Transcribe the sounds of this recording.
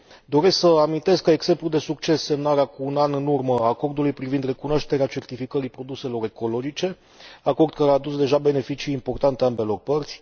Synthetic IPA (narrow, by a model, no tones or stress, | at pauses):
d̪o̞ɾe̞sksəamint̪e̞skaeɡse̞mplud̪e̞suk̚t͡ʃe̞sːe̞mnaɾeakuːnanɨnurməako̞rd̪ulujpɾivind̪re̞kunooʃt̪e̞ɾeat͡ʃe̞rt̪ifikəɾijpɾo̞d̪use̞lo̞ɾe̞ko̞lo̞d͡ʒit͡ʃe̞ | ako̞rd̪̚kaɾeaːd̪usd̪e̞ʒabe̞ne̞fit͡ʃiːmpo̞rt̪ant̪eambe̞lo̞rpərt̪sʲ